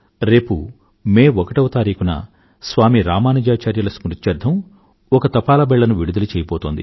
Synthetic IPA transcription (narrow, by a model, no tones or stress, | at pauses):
ɾe̞ːpṵ | meːʋɔkɐʈɐwɐt̪aːɾiːkunɐ̰ | sʋaːmiɾaːmaːnid͡ʒaːt͡ʃaːɾjɐlɐsmuɾut͡ʃːɐɾd̪ʱɐm | ɔkɐt̪ɐpaːlɐbɛɭːɐnuʋiɽud̪ɐlut͡ʃɛːjɐpɔːt̪ond̪ḭ